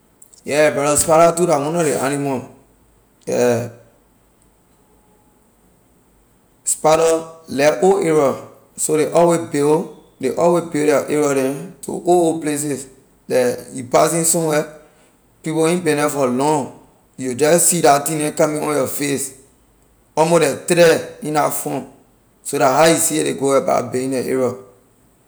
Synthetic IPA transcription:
jɛbɛɾɔspaɾatudawɔ̃nɔɾeʔanimɔ | ɛ̰ | spaɾɔlɛʔoʔeɹɔ | soɾeʔɔwebel | deʔɔwebeldɛʔeɹɔdɛ̃tʰo̰ooples̬is | dɛjupas̬ĩnsɔ̃mwɛ | pipoĩnbɛ̃nɛfɔlɔ̃ŋ | jud͡ʒɛsidatĩnɛ̃kamĩɔ̰̃njɔfes | ɔmodɛtɾɛĩnafɔ̃n | sodaɦajusieɾeɡowɛba̰beĩnɛʔḛɹɔ

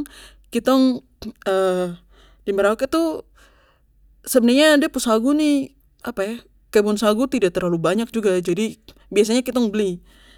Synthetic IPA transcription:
kit̪ɔŋ | ə | diməɾaukit̪u | səbənərɲadiapusaɡuni | apaja | kabɔnsaɡut̪idaʔ̚t̪ərlalubaɲak̚d͡ʒuɡad͡ʒadi | bias̬aɲakit̪ɔŋbəli

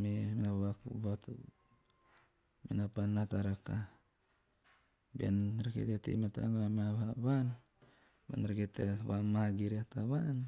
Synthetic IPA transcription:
meminaβakbat | minapanːataɾaka | bia̰nɾekḛɡetḭmata̰namaβaβan | ba̰nɾeketeβamaɡiɾiataβan

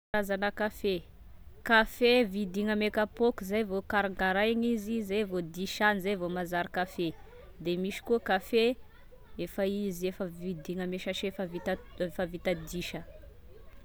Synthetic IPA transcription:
azanəkafe | kafevid̪iŋəmekapokuzajvokaɾaŋɡaɾajŋizizejvod̪iʃanizajvomazaɾikafe | d̪emiʃi̥kuəkafe | efəiziefəvid̪iŋəmeʃaʃefəvit̪favit̪ad̪iʃə

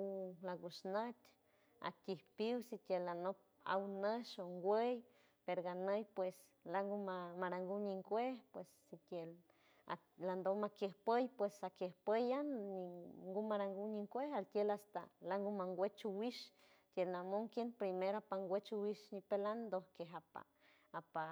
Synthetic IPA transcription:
ulaɡusnət̪ʲ | a̰t̪ʲihpiwsit̪ʲjelanop̚ | a̰wnəʃoŋɡʷej | peɾoɡanəjpwes | laŋɡumamaɾaŋɡuɲiŋkʷehpwesːit̪jel | land̪omakjehpəjpwesakjehpəjaniŋɡumaɾaŋɡuɲiŋkʷehalt̪jelast̪a̰laŋɡumaŋɡʷwet͡ʃuwiʃ | t̪jelnamoŋkjenpɾimeɾapaŋɡʷet͡ʃuwiʃɲipeland̪ohkeɦapa̰ | apa

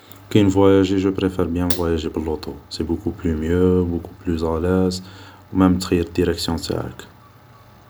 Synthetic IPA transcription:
kɛnvwæjæʒeʒəpʁefɛɾbjæ̃vwæjæʒebəlːot̪osebukuplymjøbukuplyzælæzwmæmət̪xəjːəɾd̪iɾɛksjɔ̃t̪a̰ʕə̰k

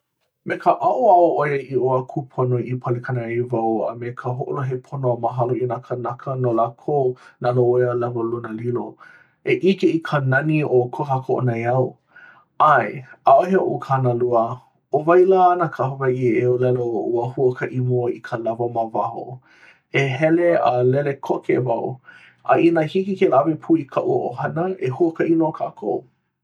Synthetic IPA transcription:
mekʰəʔaʔuaoʔojəʔioakʰupʰonoʔipʰalekʰanəijvawə̰mekʰəɦoʔo̰loɦepʰonoəməɦaloinakʰənakʰənolaːkʰonaloojəlɐvɐlunəlilo | eʔikeikʰənɐniokʰoɦakoʔo̰najɐw | ajaʔoɦeo̰ʔukʰanəluə | ovajlanakʰaɦovaʔieolɛlouəhuəkəʔimoḭkʰəlavɐmavaho̰ | eɦɛlealɛlekʰokʰevaw | ʔa̰ʔinahikikelavipʰuikʰaʔṵʔo̰hɐnəehuəkəinookʰaːkʰo̰w

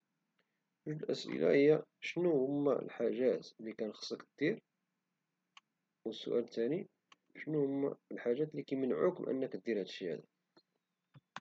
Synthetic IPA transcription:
ʒuʒd̪əlʔə̰sʔə̰læ̰həjːæʃnuhʊmːæ̰lħaʒæt̪likænxə̥sˤːəkd̪̥iɾ | wəsːʊ̰ʔælt̪æni | ʃnuhʊmːæ̰lħaʒːæt̪likæjmənʕʊkmʔə̰nːəkd̪ːiɾhæd̪ʃjhæ̰d̪æ

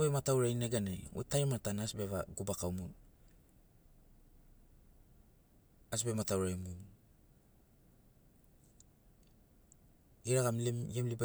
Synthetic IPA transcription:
bematawɾajneɡaneo̰tajɾmaatanasbeβaɡubakawmun | as̬bematawɾajmun | iɾaɡamlimjemliba

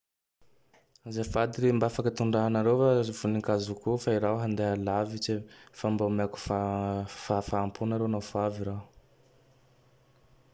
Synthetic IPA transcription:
zafad̪iɾembafakat̪uɳɖ͡ʐaanaɾewfaivuniŋkazukufaiɾawɦand̪ealavit͡ʃefambamaku̥fafafaːmpʰunaɾenawfaviɾaw

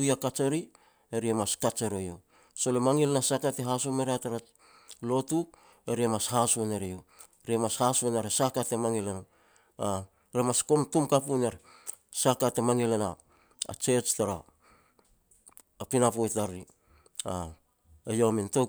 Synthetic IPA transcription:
ujakat͡ʃeɾi | eɾiemaskat͡ʃeɾojo | so̞lemaŋilenasakateɦasuomeɾeataɾa | lo̞tu | e̞ɾiemashasuneɾejo | ɾiemashasunaɾesakatemaŋilena | a | ɾemasko̞mtumkapuneɾ | sakatemaŋilena | a̰t͡ʃe̞t͡ʃtaɾa | pinapojtaɾi | a | ejominto

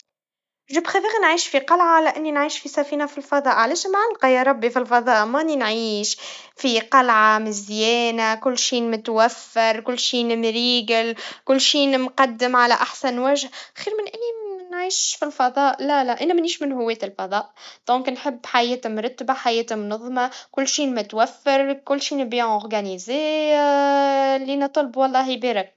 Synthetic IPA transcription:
ʒuːbxæðæːɣinʕiːʃfiqɑlʕalæʔɪnːinʕiːʃfisæfiːnafilfɑðˤɑːʔʕalɛːʃmʕalqɑjɑɾˤɑbːifilfɑðˤɑːʔmænːinʕiːʃ | fiqɑlʕamɪzjɛːnakʊlːʃiːmʊt̪wæfːɪɾkʊlːʃiːnmɾiːɡɪlkʊlːʃiːnmqɑd̪ːɪmʕalæʔaħsanwæʒhxiːɾmɪnʔɪnimnʕiːʃfilfɑðˤɑːʔlælæʔænæmæniːʃmɪnɦʊwːɛːt̪ɪlfɑðˤɑːʔd̪̥õːknħɪbːħajɛːt̪mɾˤɑt̪ːbaħajɛːt̪mnɑðˤːmɑkʊlːʃiːnmɪt̪wæfːɪɾkʊlːʃiːnɪbiːʔɔɾɡænizɛː | lːinɨt̪ˤːɑlbwɑlˤːɑːhjbeːɾɪk̚

